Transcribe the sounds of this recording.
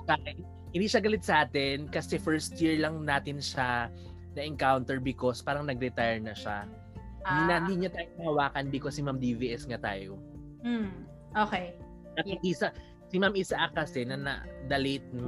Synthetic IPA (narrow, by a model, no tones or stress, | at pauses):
kaj | hɪnd̪iːʃɐɡɐlɪt̪̚sɐʔaːt̪ɛnkɐsɛfɛɹst̪jiɹlɐŋnaːt̪ɪnʃa | nɐʔɛŋkawnt̪ɛɹbɪkospaːɾɐŋnɐɡɾɛt̪ajɛɹnɐʃa | inɐɪnd̪iːɲat̪aːjonɐhɐwaːkɐnb̪ɪkosɪmamd̪iviʔɛsŋɐt̪a̰ːjo | ʔoːkɛj | ɐk̪hɪnd̪isa | sɪmamʔɪsaʔɐkɐsɛnɐnɐ̰d̪ɐlejt̪̚n